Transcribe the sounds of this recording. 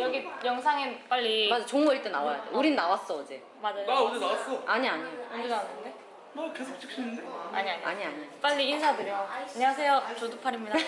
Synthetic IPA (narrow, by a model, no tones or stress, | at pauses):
jʌɡijʌŋsʰaŋenp͈aʎːimad͡ʑat͡ɕoŋʌiɭt͈enawajadḛuɾinnawas͈ʌːd͡ʑe | mad͡ʑajaodinawas͈ʌaɲiaɲiondɯɡaatʰɯnde̞ | kesʰok̚t͡ɕʰɯk̚ɕ͈inɯndea̰ɲiaɲa̰ɲiaɲip͈aʎːiinsʰadɯɾjoaɲewasʰe̞jot͡ɕodupʰaɾimɲidaa